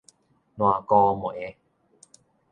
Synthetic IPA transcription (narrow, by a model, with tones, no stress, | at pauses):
nwa˨kɔ˧mɔ˨e˦